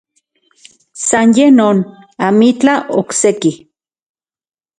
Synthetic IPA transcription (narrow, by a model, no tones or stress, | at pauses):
sanjehnoːn | amit͡ɬaokseki